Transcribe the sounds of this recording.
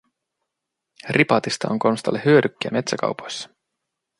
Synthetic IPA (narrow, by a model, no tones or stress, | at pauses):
rʔipɑt̪ist̪ɑ̰oŋko̞nst̪ɑlːehːyøɾykːeæme̞t̪sækɑ̰wpo̞jsːɑ̥